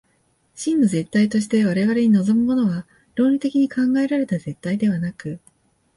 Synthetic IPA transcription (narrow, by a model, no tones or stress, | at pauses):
ɕĩnːo̞ze̞t̪ːait̪o̞ɕ̬i̥t̪e̞βaɾe̞βaɾe̞ɲ̟ino̞zo̞mɯ̟mo̞no̞βa | ɾo̞ːɾʲit̪e̞kʲiɲ̟ikãŋɡae̞ɾaɾe̞t̪aze̞t̪ːaid̪e̞β̞anakɯ̟